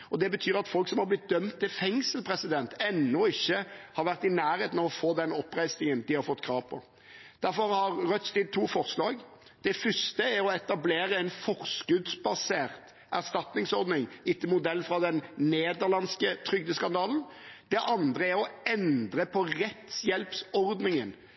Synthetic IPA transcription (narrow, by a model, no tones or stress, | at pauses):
ɔd̪ɛbət̪ʰyːɾɑt̪fɔlksɔmhɑɾblɪt̪̚d̪œmt̪ʰːɪlfɛŋsəlpʰɾɛsɪd̪ɛnt̪ɛnːʊɪçːəhɑɾʋæʁt̪ɪnæːɾheːt̪nɑʋɔfoːd̪ɛnɔpːɾæɪsnɪŋənd̪ɪhɑɾfɔt̪ːkʰɾɑːʋpʰɔ̰ | d̪̥æɾfɔɾhɑɾɾœt̪st̪ɪd̪̚t̪ʰuːfɔʁslɑːɡd̪̥ɛfʏst̪əæɾɔɛt̪ɑbleːɾəɛnfɔʁskʉd̪sbɑseːʁt̪ | ʔæʁst̪ɑt̪nɪŋsɔɾd̪nɪŋɪt̪ːəmʊd̪ɛlːfɾɑd̪ɛnneːd̪əɾlɑnskət̪ʰɾʏɡ̚d̪əskɑnd̪ɑːln̩ | d̪̥ɛʔɑnd̪ʁəæɾɔɛnd̪ɾəpʰɔɾɛt̪sjɛlpsɔɾd̪nɪŋən